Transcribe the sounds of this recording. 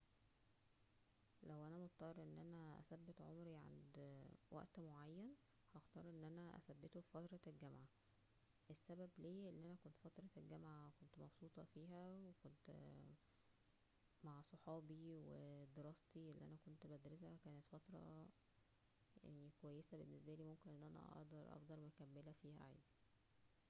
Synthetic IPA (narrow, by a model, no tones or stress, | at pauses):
læwʔænæmot̪t̪ˤːɑrˤʔenːʔænæʔæ̰sæbːet̪ʕo̰mɾiʕa̰nd̪wæ̰ʔt̪moʕajːæn | hɑxt̪ɑɾˤʔenːʔænæʔæ̰sæbːet̪ofɑt̪ɾˤɑelɡæmʕa | ʔesːæbæbliːʔelːiʔænækont̪fɑt̪ɾˤɑlɡæmʕakont̪mɑbsˤuːt̪ˤɑfiːɦæwekont̪ | maʕsˤoħɑːbiwed̪eɾɑːst̪iʔelːiʔæ̰nækont̪bæd̪ɾesækæːnet̪fɑt̪ɾˤɑ̰ | jḛʕnikowæjːesæbenːesbæliːmomkenʔenːʔænæ̰ʔɑ̰ʔd̪ɑɾˤʔɑ̰fd̪ɑɾˤækæmːelæfiːhæ̰ʕḛjd̪i